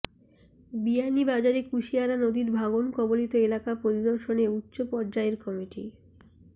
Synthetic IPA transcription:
bianibad͡ʑaɾekuʃiaɾanod̪iɾbʱaɡonkɔbolit̪oelakapɾoɾid̪oɾʃoneutːɕopɔɾd͡ʑaeɾkɔmiʈḭ

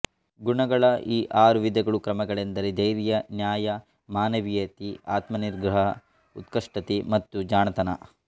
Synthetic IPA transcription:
ɡuɳɐɡɐɭɐʔiːʔaːɾuʋid̪ʱɐɡɐɭukɾɐmɐɡɐɭend̪ɐɾed̪ɐjɾijɐnjaːjɐ | maːnɐʋijɐt̪iaːt̪mɐniɾɡɾɐɦɐ | ut̪kɐʂʈɐt̪imɐt̪ːud͡ʒaːɳɐt̪ɐnɐ̰

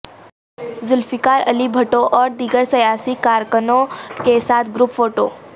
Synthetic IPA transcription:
zʊlfikaɾəlibʱəʈoʔɔːɾd̪iɡəɽsəjasikaɾkənokesat̪ʰɡɾupfoʈo̰

